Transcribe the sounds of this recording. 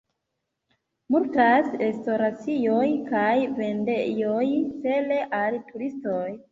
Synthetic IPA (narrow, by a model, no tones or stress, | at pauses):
muɾtasɾe̞sto̞ɾat͡sijojkajve̞ndejojse̞le̞ʔaltuɾistoj